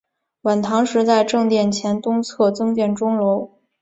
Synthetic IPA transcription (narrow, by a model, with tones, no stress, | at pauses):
wa˨˩nt̪ʰɑ˧˥ŋʂɻ̩˧˥t͡sa˥˧ɪʈ͡ʂɤ˥˧ŋt̪jɛ˥˩nt͡ɕʰjɛ˧˥nt̪ʊ˥ŋt͡sʰɤ˥˩t͡sɤ˥ŋt͡ɕ̪jɛ˥˩nʈ͡ʂʊ˥ŋlo˧˥ʊ